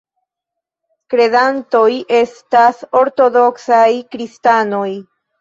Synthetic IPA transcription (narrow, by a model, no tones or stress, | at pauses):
kɾe̞danto̞jʔe̞staso̞ɾto̞do̞ksajkɾistano̞j